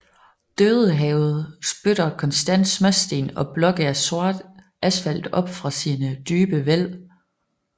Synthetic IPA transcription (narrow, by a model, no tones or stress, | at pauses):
d̥øːð̞ˠəɦɛʊð̞̩ˠsb̥øɾ̥ɐkʰɒ̽nsd̥æn̰d̥smæsd̥e̝̰ːnɒ̽b̥lɒ̽ɡ̥əɐso̝ɐ̰d̥ | ʔæsfæl̰d̥ɒ̽b̥fʁɑ̈siːnəd̥yːb̥əʋel̰